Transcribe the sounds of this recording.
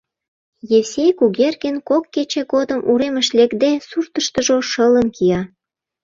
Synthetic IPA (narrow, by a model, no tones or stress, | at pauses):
jewsʲejkuɣerkenkokːet͡ɕeɡod̪əmuɾeməʃlekd̪esurt̪əʃt̪ə̆ʒoʃələnkijɑ